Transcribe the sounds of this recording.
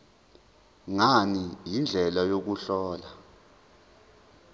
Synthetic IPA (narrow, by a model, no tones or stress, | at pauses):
ŋanijind͡ɮʱɛlajok̬uɬɔːla